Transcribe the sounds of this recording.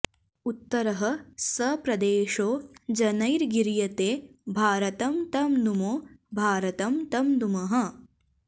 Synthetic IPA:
ut̪ːɐɾɐɦɐ̆sɐpɾɐd̪eːʃoːd͡ʒɐnɐjɾɡiɾjɐt̪eːbʱaːɾɐt̪ɐmt̪ɐmd̪umoːbʱaːɾɐt̪ɐmt̪ɐmd̪umɐɦɐ̆

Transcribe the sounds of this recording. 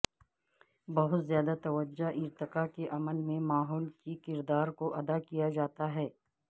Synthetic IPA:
bɐɦʊt̪zjaːd̪at̪ɐʋəd͡ʒːaʔɪɾt̪ɪqakeʔɐməlmẽmaːɦɔːlkikɪɾd̪aːɾkoʔɐd̪akijad͡ʒaːt̪aɦɛː

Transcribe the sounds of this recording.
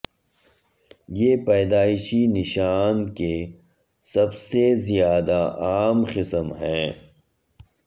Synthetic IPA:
jeːpɛːd̪aːɪʃinɪʃaːnke | sɐbsezijaːd̪aʔaːmqɪsəmɦɛ̃ː

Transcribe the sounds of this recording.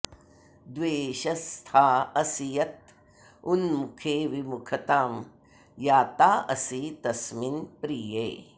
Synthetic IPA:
d̪ʋeːʃɐst̪ʰaːɐsijɐt̪̚ | unmukʰeːʋimukʰɐt̪aːm | jaːt̪aːʔɐsit̪ɐsminpɾiːjeː

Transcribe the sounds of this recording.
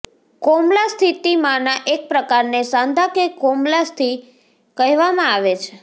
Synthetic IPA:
komlast̪ʰit̪imãnaʔek̚pɾəkaɾnesãnd̪ʱakekomlast̪ʰi | kəɦʋamãaʋet͡ʃʰe

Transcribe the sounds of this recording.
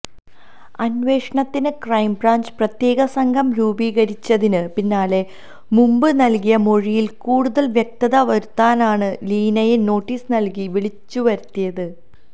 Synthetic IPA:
ɐnʋe̞ːʂɐɳɐt̪ːinɨkrɐjmbraːɲd͡ʑprɐt̪je̞ːɣɐsɐŋɡʱɐmɾuːbiːɣɐɾit͡ɕːɐðinɨpinːaːle̞ | mumbɨnɐlkijɐmo̞ɻijilkuːɽuðɐlʋjek̚t̪ɐðɐʋɐɾut̪ːaːnaːɳɨliːnɐjeno̞ːʈːiːsnɐlkiʋiɭit͡ɕːuʋɐɾt̪ːijɐðɨ

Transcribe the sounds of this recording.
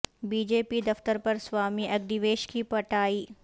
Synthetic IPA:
biːd͡ʒeːpid̪ɐft̪əɾpɐɾswaːmiʔɐɡd̪iʋeːʃkipɐʈaːiː

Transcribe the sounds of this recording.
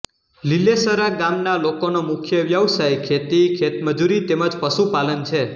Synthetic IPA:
lilesəɾaɡamnalokonomʊkʰjəʋjəʋsajkʰet̪ikʰet̪məd͡ʒuɾit̪eməd͡ʒpəʃupalənt͡ʃʰe

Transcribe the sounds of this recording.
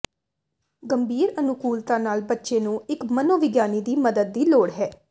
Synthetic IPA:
ɡəmbʱiːɾənʊkuːlt̪ãːnaːlbətːʃeːnũːɪkmənoːʋɪɡjaːniːd̪iːməd̪əd̪̚ːiːloːɽɦɛː

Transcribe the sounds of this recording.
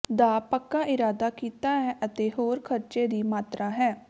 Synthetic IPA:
d̪aːpəkːaːʔɪɾaːd̪aːkiːt̪aːɦɛːʔət̪eːɦoːɾkʰəɾt͡ʃeːd̪iːmaːt̪ɾaːɦɛː

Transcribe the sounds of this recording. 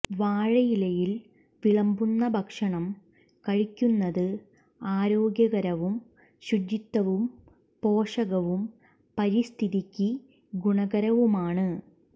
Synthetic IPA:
ʋaːɻɐjilɐjil | ʋiɭɐmbunːɐbʱɐkʂɐɳɐm | kɐɻikʲːunːɐðɨ | aːɾo̞ːɡjɐɣɐɾɐʋum | ɕudit̪ːɐʋum | po̞ːʂɐɣɐʋum | pɐɾist̪ʰiðikʲːɨ | ɡuɳɐɡɐɾɐʋumaːɳɨ

